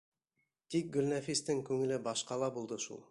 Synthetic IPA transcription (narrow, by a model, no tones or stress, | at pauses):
t̪ʰik̚ɡɵlnæfist̪ɪŋkʲʰɵŋɪ̆lɪbɑʃqɑlˠɑbulˠd̪əʃṵlˠ